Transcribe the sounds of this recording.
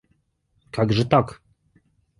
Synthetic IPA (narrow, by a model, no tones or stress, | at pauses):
kaɡʐɛt̪ak